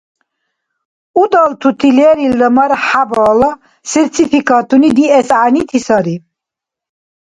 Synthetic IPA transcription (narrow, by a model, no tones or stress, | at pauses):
ud̪alt̪ʰut̪ʰilɛɾiləmaɾħabɔːla | siɾt͡s̪ʰifʰikʰʼat̪ʰunid̪iɛsʕanit̪ʰisaɾi